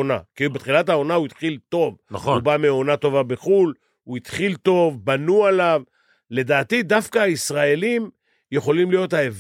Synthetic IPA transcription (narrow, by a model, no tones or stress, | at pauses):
na̰kibet̪χilathao̞nauit̪χilt̪o̞vnaχubameo̞nat̪o̞vabeχul | uit̪χilt̪o̞vbanualav | le̞d̪aːt̪id̪afkaːisʁae̞lim | je̞χo̞limlijo̞t̪haev